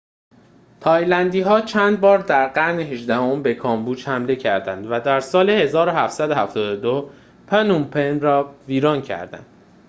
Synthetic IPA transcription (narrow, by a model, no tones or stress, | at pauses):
t̪ʰɒːjlænd̪iːɦɒːt͡ʃʰænd̪̚bɒːɾd̪æɾɢæɾneɦeʒd̪æho̞mbe̞kʰɒːmbuːd͡ʒhæmle̞cʰæɾd̪ænd̪væd̪æɾsɒːlehe̞zɒːɾoɦæft̪sæd̪ohæft̪ɒːd̪od̪o | pʰænumpʰenɾɒːviːɾɒːncʰæ̰ɾd̪æ̰nd̪̥̚